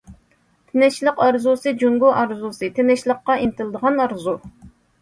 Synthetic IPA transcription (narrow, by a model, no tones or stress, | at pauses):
t̪ʰɪnɛʃlˠəqɑɾzusɨd͡ʒuŋɡuʔɑɾzusɨt̪ʰenɛʃlˠəqːɑʔint̪ʰɪlˠd̪əʁɑnɑɾzu